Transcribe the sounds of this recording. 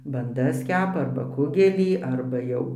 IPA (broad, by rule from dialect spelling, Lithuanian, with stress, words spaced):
bɐnˈdɐs ˈkʲæːpɐ ˈɐrbɐ ˈkʊɡʲɛlʲiː ˈɐrbɐ jɛʊ